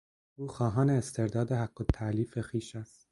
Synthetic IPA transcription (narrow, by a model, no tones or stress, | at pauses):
ʔuːxɒːɦɒːneːst̪ʰe̞ɾd̪ɒːd̪ehæɡːot̪ʰːæʔliːfexiːʃæst̪